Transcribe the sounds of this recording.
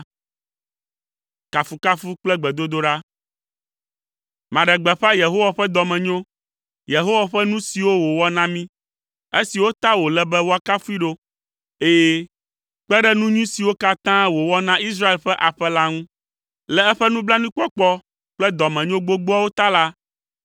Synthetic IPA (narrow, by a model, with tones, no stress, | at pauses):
ka˨fu˨ka˦fu˦k͡plɛ˦ɡ͡bɛ˨d̪o˦d̪o˦ɖa˦ | mã˨ɖɛ˨ɡ͡bɛ˨ɸa˦je˨ɦo˦wa˨ɸɛ˦d̪ɔ˨mɛ̃˨ɲõ˦ | je˨ɦo˦wa˨ɸɛ˦nũ˦si˨wo˦wo˨wɔ˦nã˦mĩ˦ | e˦si˨wo˦t̪ã˦wo˨lɛ˦bɛ˦wo˦a˨ka˦fu˦i˦ɖo˦ | e˦jɛ˦ | k͡pɛ˦ɖɛ˦nũ˦ɲũ˦si˨wo˦ka˦t̪ã˦wo˨wɔ˦nã˦i˦s̬ɾa˦e˨lɸɛ˦ʔa˨ɸɛ˦la˦ŋũ˦ | lɛ˨ɛ˦ɸɛ˦nũ˦bla˦nũ˦k͡pɔ˦k͡pɔ˦ | k͡plɛ˦d̪ɔ˨mɛ̃˨ɲõ˦ɡ͡bo˦ɡ͡bo˦a˦wo˦t̪a˦la˦